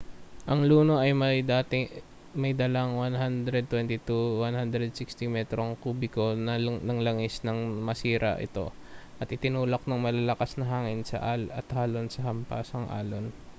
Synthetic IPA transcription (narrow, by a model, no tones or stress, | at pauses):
ʔɐŋluːno̞ʔɐjmɐjd̪aːt̪ɪ | mɐjd̪ɐlaŋwanɦand̪ɾɛd̪̚t̪wɛnt̪ɪt̪uwanhand̪ɾɛd̪̚sɪkst̪ɪmɛt̪ɾoŋkuːbɪko̞nɐnɐŋlɐŋɪsnɐŋmɐsiːɾʔɐ̰ʔɪ̰t̪o̞̰ʔɐt̪ʔɪt̪ɪnuːlok̚nɐŋmɐlalɐkasnɐɦaːŋɪnsɐ̰ʔalɐt̪haːlo̞nsɐɦɐmpa̰sɐŋʔa̰ːlon